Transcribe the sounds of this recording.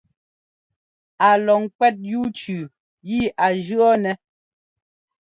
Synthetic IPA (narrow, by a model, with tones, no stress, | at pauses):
a˨lɔ˨ŋkwɛ˦t̚ju˦t͡ʃʉ˨ | ji˦ʔa˨d͡ʒɰɔ˦nɛ˨